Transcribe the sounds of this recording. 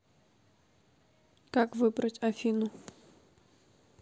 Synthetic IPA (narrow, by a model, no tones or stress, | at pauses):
kakvɨbɾətʲɐfʲinʊ